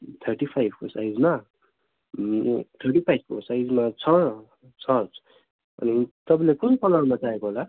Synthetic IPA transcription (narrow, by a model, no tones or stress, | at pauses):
t̪ʰʌɾʈipʰajbʱkosajd͡zma | t̪ʰʌrʈipʰajb̚kosajd͡zmat͡sʰʌ | t͡sʰʌd͡z | ʌ̰nit̪ʌbʌ̃lekunpʌlamat͡saekoɦola